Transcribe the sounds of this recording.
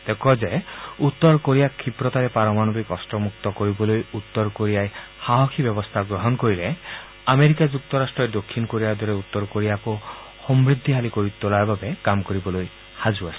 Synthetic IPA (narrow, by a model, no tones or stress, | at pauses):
t̪ekɔd͡ʒeut̪ːɔɾkoɾijakʰipɾɔt̪aɾepaɾɔmanobikɔsʈɔmuk̚t̪ɔkɔɾibɔlojut̪ːɔɾkoɾijaj | haɦɔkʰibjɔbɔst̪ʰaɡɾɔɦɔnkoɾile | ameɾikad͡ʒuk̚t̪ɔɾasʈɾɔjd̪okʰːinɔkoɾijad̪ɔɾeut̪ːɔɾkoɾijaku | hɔmbɾid̪ʱːiɦalikoɾit̪ɔlaɾbabekamkɔɾibɔloj | had͡ʒuasʰi̥